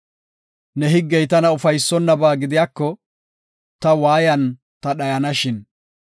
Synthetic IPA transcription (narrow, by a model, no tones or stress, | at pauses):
nɛɦɪɡːɛjt̪ɐnɐʊfɐjsːɔnːɐbaːɡɪd̪ɪjaːkːɔ | t̪ɐwaːjɐn | t̪ɐɗɐjɐnɐʃɪn